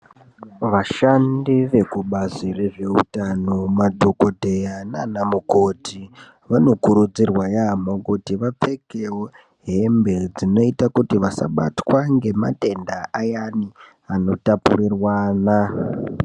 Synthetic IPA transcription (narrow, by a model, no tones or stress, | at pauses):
ʋaʃandiʋe̞kuɓazire̞ʐe̞ṵtano̞madʱo̞kodʱe̞jananamuko̞tʰi | ʋano̞kuɾud͡zirwajamokutiʋap͡fe̞keo | ɦe̞mbe̞d͡zino̞itakutiʋasa̰ɓa̰twaŋɡe̞ma̰te̞ndaʔajani | ano̞tapṵrirwaːna